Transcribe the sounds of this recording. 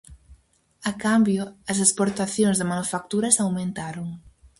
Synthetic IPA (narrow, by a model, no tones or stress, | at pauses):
akambjʊɐs̬espoɾt̪aθjoŋzðɪmanufak̚t̪uɾɐsawmẽnt̪aɾoŋ